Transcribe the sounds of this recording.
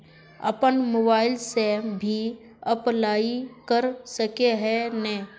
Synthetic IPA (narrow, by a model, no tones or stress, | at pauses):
ɐ̰pənmoːbaːɪlsebʱi | ɐplaːikəɾsəkeɦɛnɛ̃ː